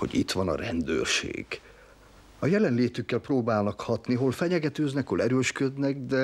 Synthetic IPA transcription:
o̰ɟit̪ʋɒnɒ̰rɛ̰nd̪ø̰ːrʃḛːɡ̥ | ɒjɛlɛnleːt̪ykːɛlproːbaːlnɒkhɒt̪niɦo̞lfɛɲɛɡɛt̪øːznɛkholɛɾøːʃkød̪nɛɡd̪ɛ

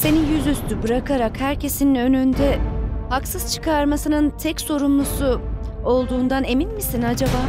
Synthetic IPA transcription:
se̞nijyzyst̪ʰybɯɾakʰaɾakhæɾcʰe̞sininø̞nynd̪ɛhaksɯz̥t͡ʃʰɯ̥kʰaɾmasɯnɯnt̪ʰɛcso̞ɾumlˠusu | olˠd̪uːnd̪ane̞minmisinad͡ʒabaː

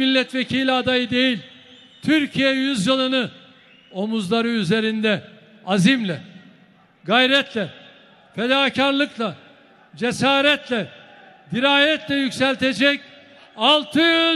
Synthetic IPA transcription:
milʲːɛt̪vecʰilʲɛad̪ajɯd̪e̞jilʲ | t̪ʰyɾcʰijɛjyzjɯlˠɯnɯ | o̞muzlˠaɾɯyze̞ɾind̪ɛ | azimlʲɛ | ɡajɾɛt̪ʰlʲɛ | fed̪aːcʰaɾlˠɯklˠa | d͡ʒesaːɾɛt̪ʰlʲɛ | d̪iɾaːjɛt̪ʰlʲɛjycsɛlʲt̪ʰe̞d͡ʒɛc | alˠt̪ʰɯjy

